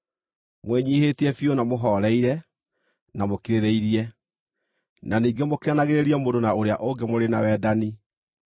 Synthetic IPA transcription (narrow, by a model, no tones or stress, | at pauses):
mwɛɲiːheːtiɛfiɔnamoɦɔːɾɛiɾɛ | namokiɾeɾeiɾiɛ | naniːɡɛmokiɾanaɣeɾeɾiɛmodonaoɾeaʔoŋɡɛmoɾenawɛːdani